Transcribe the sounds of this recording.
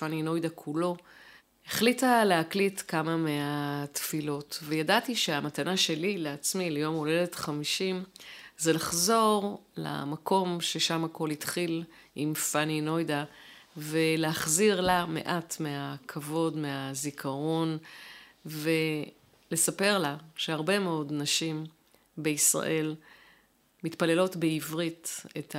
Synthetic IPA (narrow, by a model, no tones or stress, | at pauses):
fanino̞jdakʰulo̞ | eχlitaleaklitkamameatfilo̞tvejadatiʃe̞amatanaʃe̞lileat͡smilejo̞mole̞detχamiʃimzelaχzo̞ʁla̰mako̞mʃe̞ʃamako̞litχil | ʔimfanino̞jda | veleaχziʁlame̞̰ʔatme̞akʰavo̞dmeazikʰaʁo̞n | ve̞ | le̞sape̞ʁlaʃeaʁbe̞meo̞dnaʃim | be̞isʁa̰ʔe̞l | mitpale̞lo̞tbeivʁitet